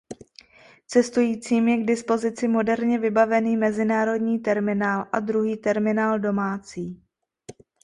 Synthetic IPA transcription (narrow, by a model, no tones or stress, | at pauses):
t͡sɛst̪ujiːt͡siːmjɛɡdɪspo̞zɪt͡sɪmo̞dɛɾɲɛvɪbavɛniːmɛzɪnaːɾo̞dɲiːt̪ɛɾmɪnaːlʔad̪ɾuɦiːt̪ɛɾmɪnaːldo̞maːt͡siː